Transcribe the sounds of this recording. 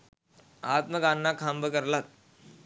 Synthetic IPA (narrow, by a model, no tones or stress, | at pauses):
aːt̪məkanːakʰambəkəɾlat̪̚